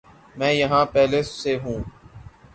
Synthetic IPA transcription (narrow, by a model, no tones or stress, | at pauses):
mɛ̃ːjəɦãːpɛːleːsːeːɦũː